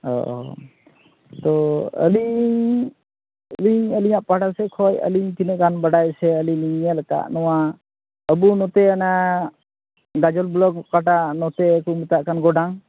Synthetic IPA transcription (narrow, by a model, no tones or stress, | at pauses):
ɦɔ̰ʔ | t̪ɔə̰li | liɲəliɲaʔpaɽasɛkʰɔjə̰liɲk̪inɛʔɡanbəɽajsɛəliliɲɛlaka̰ʔnɔwa | əbunɔt̪ɛəna | ɡad͡ʒɔlblɔɡkaʈaʔnɔt̪ɛkumit̪aʔkanɡɔɖaŋ